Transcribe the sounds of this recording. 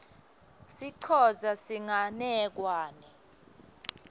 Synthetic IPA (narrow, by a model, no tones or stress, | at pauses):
siǀʰɔzasiŋanɛk̬waːnɛ